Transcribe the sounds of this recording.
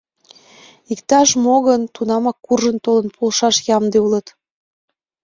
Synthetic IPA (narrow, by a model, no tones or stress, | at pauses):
ikt̪ɑʃmoɣənt̪unɑmɑkːurʒənt̪olə̆npʰolʃɑʃjɑmd̪eulət̪